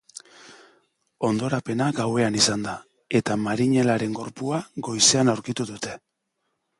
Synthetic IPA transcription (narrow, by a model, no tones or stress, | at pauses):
o̞nd̪o̞ɾape̞naɡawe̞anisand̪a | e̞t̪amaɾiɲe̞laɾe̞ŋɡo̞ɾpuaɡo̞jse̞anawɾkit̪uðut̪e̞